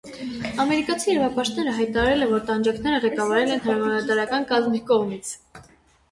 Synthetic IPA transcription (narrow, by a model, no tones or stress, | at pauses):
ɑmɛɾikɑt͡sʰiɛɾɑvɑpɑʃt̪nɛɾəɦɑjt̪ɑɾɑɾɛlɛvɔɾt̪ɑnd͡ʒɑkʰnɛɾəʁɛkɑvɑɾɛlɛnhɑɾɑmɑnɑt̪ɑɾɑkɑnkɑzmikɔʁmit͡sʰ